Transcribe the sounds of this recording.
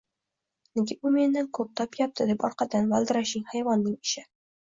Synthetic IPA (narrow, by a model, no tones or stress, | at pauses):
nɪɡʲɪbʊme̞nd̪ankʰɵp̚t̪ʰɒpjɒp̚t̪ʰɪd̪epɒɾqɑd̪anvalˠd̪ɪɾaʃɪŋhajvɒnːɪŋɪ̥ʃɪ